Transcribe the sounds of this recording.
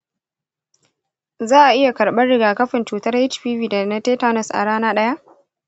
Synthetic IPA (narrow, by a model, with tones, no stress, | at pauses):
zaː˦ʔa˨ʔɪ˦ja˨kɐ˨ɽɓɐ˦rːɪ˦ɡaː˨kɐ˦ɸɪ˨nt͡ʃuː˨tɐ˦rhɪ˦t͡ʃɸiː˦viː˨da˨nɐ˦teː˦taː˦nɐ˨sʔa̰˨ɽaː˦naː˦ɗɐ˦ja˦ʔ